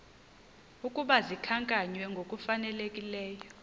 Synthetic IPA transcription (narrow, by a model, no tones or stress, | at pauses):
ukʼuɓazikʰaŋkʼaɲwɛŋɡʱokʼufanɛlekʼilɛːjɔ